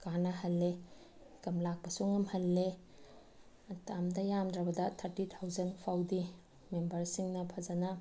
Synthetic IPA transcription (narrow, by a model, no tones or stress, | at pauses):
kanɐhɐlːe | kɐmlak̚pɐsuŋɐmhɐlːe | tʰamdɐjamdɾɐbɐdɐt̪ʰɐɾtit̪ʰawzɐnpʰawdi | membɐɾsiŋnɐpʰɐzɐnɐ